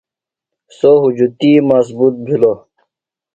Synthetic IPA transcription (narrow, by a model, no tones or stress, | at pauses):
soɦud͡ʑut̪imas̬but̪̚bʱilo